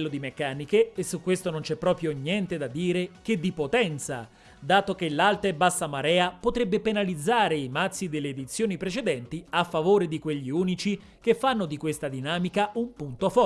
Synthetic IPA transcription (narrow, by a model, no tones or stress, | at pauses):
lːod̪imekːaːnikeːsːukːwest̪onont͡ʃɛpːɾɔːpɾjoɲjɛnt̪ed̪ad̪ːiːɾek̟ed̪ːipot̪ɛnt̪sa̰ | d̪aːt̪okelːalt̪eebːasːamaɾɛːapot̪ɾebːepenalid̪zːaːɾeimat̪sːid̪elːeːd̪it̪sːjoːnipɾet͡ʃed̪ɛnt̪iafːavoːɾed̪ikweʎːiuːnit͡ʃi | k̟efːanːod̪ikwest̪ad̪inaːmikaumpunt̪ofɔ